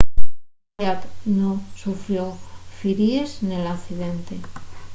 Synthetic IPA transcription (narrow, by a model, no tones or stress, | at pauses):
at̪nosufɾjofiɾiesnelaθiðe̞nt̪e̞